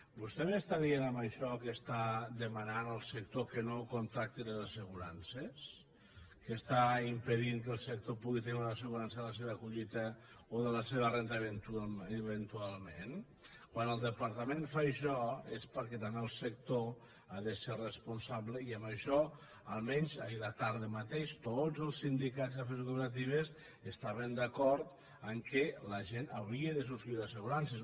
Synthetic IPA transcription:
bust̪ɛβəst̪aðienəmbəʃɔkəst̪ad̪əmananəlˠsəkt̪okənokont̪ɾak̚t̪iləzəsəɣuɾanses | kəst̪aimpəðiŋk̬əlˠsək̚t̪opuɣit̪əniunəs̬əɣuɾansəðələs̬eβəkuʎit̪ə | oðələseβərent̪əβent̪uəβənt̪ualˠmen | kwanəlˠd̪əpaɾt̪əmenfaʃɔespəɾkɛt̪ameəlˠsək̚t̪o | aðəserəspunsaβləiəməʃɔ | əlˠmɛnzailat̪aɾðəmat̪eʃt̪od͡zəlˠsind̪ikazafeɾkupeɾat̪̬iβ̞əs | əst̪aβənd̪əkɔɾt̪ | əŋkɛləʒenawɾiəðəs̬uskiɾəsəɣuɾansə

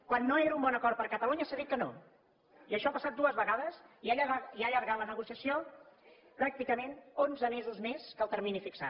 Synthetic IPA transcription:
kwanːoeɾəumbɔnəkɔrt̪̚pəɾkət̪əluɲəsaðit̪̚kəno | iəʃɔapəsat̪d̪uəzβəɣaðəsiaʎaiaʎəɾɣalənəɣusiəsio | pɾak̚t̪ikəmenonzəmezuzmeskəlˠt̪əɾminifiksa̰

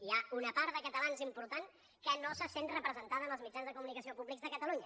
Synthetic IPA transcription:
iaunəpaɾðəkət̪əlanzimpuɾt̪aŋ | kənosəsenrəpɾəzənt̪aðəməlˠzmid͡ʒanzðəkumunikəsiopuβlikɡzðəkət̪əluɲə

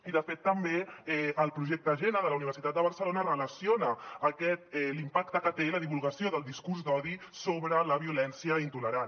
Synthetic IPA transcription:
iðəfet̪ːəmbeɛʔəlˠpɾuʒɛk̚t̪əʒenəðələuniβəɾsit̪at̪̚d̪əβəɾsəlonərələsionəːkɛt̪̚ɛlimpakt̪əkət̪eləðiβulˠɣəsioðəlˠd̪iskuɾzd̪ɔði | soβɾələβiulɛnsiəint̪uləɾan

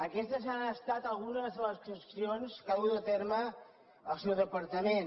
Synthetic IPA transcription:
əkɛst̪əzanəst̪at̪əlˠɣunəzləskəsionskəut̪ət̪eɾmə | əlˠsewðəpəɾt̪əmen

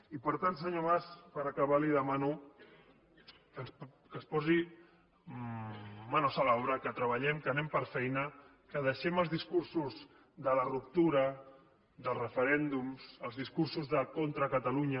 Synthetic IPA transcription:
ipəɾt̪ans̬əɲoβaspəɾəkəβaliðəmanu | kəns | kənspɔzi | anosalɔɾəkət̪ɾəβəʎɛmkənɛmpəɾfɛjnə | kəð̞əʃɛməlˠzðiskursuz | ðələrup̚t̪uɾə | ðəlˠrəfəɾɛnd̪umsəlˠzðiskuɾsuzðəkont̪ɾəkət̪əluɲə

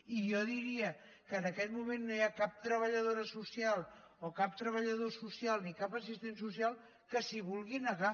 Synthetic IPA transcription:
ijɔðiɾiə | kəːnəkɛt̪mumenːojakap̚t̪ɾəβəʎəðoɾəsusialˠ | okap̚t̪ɾəβ̞əʎəð̞osusjalˠnikapəsist̪ensus̬ialˠ | kəsiβulˠɣinəɣa

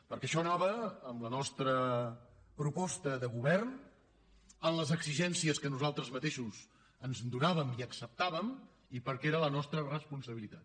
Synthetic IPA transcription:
pəɾkɛəʃɔnaβəːmlənɔst̪ɾə | pɾupɔst̪əðəɣuβɛrn | ənləzəɡziʒɛnsiəskənuzalˠt̪ɾəzmət̪eʃuz | ənzd̪unaβəmiəksəp̚t̪aβəm | ipəɾkeɾələnɔst̪ɾərəspunsəβilit̪at̪

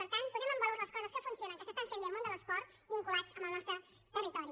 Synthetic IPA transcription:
pəɾt̪anpuzɛməmbəloɾləskɔzəskəfunsionəŋkəsəst̪aɱfenəlˠmond̪ələspɔɾt̪ | biŋkulad͡zəməlˠnɔst̪ɾə | t̪ərit̪ɔɾi

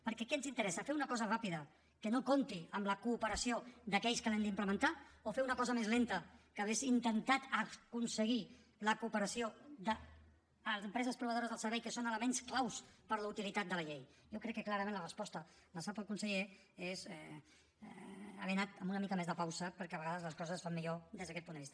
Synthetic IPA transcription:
pəɾkɛkɛnzint̪əɾɛsəfeunəkɔzərapiðə | kənokont̪iəmləkuːpəɾəsiod̪əkɛʎskəlɛnd̪impləmənt̪aofeunəkɔzəmezlent̪əkəːβezint̪ənt̪at̪əkunsəɣ̞i | ləkupəɾəsiod̪əː | zəmpɾɛzəspɾuβəðoɾəzðəlˠsəɾβɛjkəsonələmensklawspəɾləut̪ilit̪at̪̚d̪ələʎejjokɾɛkːəklaɾəmẽnlərəspɔst̪ələsapəlˠkunsəʎe | ezɛ | ə̰βenat̪əmbunəmikəmezðəpawsəpəɾkɛəɐβəɣaðəzləskɔzəssfamːiʎod̪ezðəkɛt̪pund̪əβist̪ə

